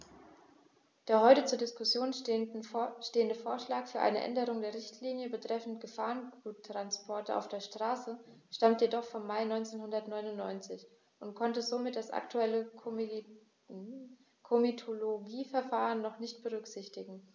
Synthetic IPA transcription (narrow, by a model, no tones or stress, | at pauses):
d̥eːɐɦɔʏtət͡suːɐdɪskʊsjoːn | ʃteːəndəfoːɐʃlaːkfyːɐʔaɪnə̰ʔɛ̰ndəʁ̞ʊŋdeːɐʁɪçtʰliːnjəbətʁ̥ɛfn̩tɡ̥əfaːʁənɡuːtːʁ̥anspʰɔɐtʔa̰ʊfd̥eːɐʃtʁ̥aːsə | ʃtamtjedɔχfɔmːaɪnɔʏnt͡seːnhʊndɐtnɔʏnʊnːɔʏnt͡sɪç | ʔʊntkʰɔntəzoːmɪt̚d̥asʔa̰ktʰuɛlə | kʰomitʰoloɡiːfɛɐfaːʁ̞ənːɔχnɪçt̚b̥əʁ̞ʏkz̥ɪçtɪɡŋ̩